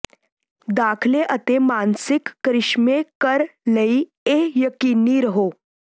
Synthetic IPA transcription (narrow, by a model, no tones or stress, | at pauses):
d̪akʰleʔət̪emansɪkːɾɪʂmekəɾləi | ejəkiniːɾəɦo